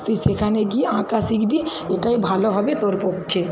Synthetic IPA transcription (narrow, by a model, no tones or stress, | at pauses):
t̪oisekʰanekiãkasikʰbʱi | eʈaibʱaːloɦɔbet̪ɔːɾpokʰːe